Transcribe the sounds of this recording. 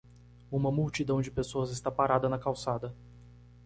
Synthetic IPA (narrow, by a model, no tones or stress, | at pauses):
ũmɐmuwt͡ʃid̪ɐ̃w̃d͡ʒɪpesoɐzɪst̪apaɾad̪ɐnɐkawsad̪ɐ